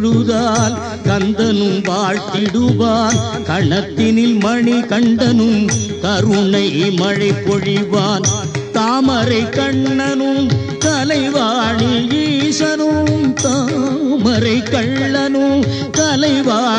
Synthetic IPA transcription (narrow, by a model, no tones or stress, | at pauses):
ɽɯðaːl | kɐnd̪ɐnɯmʋaːɻt̪ɪɽɯʋaːnkɐɳɐt̪ːɪnɪlmɐɳikɐɳɖɐnɯmk̪ɐɾɯɳɐɪmɐɻɐɪpːɔɻiʋaːn | t̪aːmɐɾɐɪkɐɳːɐnɯm | k̪ɐlɐɪʋaːɳiʋiːʂɐnɯmt̪amɐɾɐɪkɐɭːɐnɯm | k̪ɐlɐɪʋaː